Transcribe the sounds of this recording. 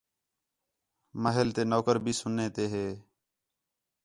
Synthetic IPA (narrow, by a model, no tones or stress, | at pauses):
məɦelt̪eːnoːkəɾbʱiːsʊnːeːt̪eːɦeː